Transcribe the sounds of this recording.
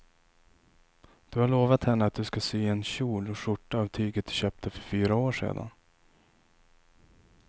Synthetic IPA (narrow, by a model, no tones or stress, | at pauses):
d̪̥ɵhaɭoːvat̪hɛnːəat̪̚d̪ɵskasyːɛnɕuːlɔʂʊʈːaːvt̪ʰyːɡət̪̚d̪ɵɕøːp̚t̪ʰəfœɾfyːɾaoːʂḛːd̪a̰n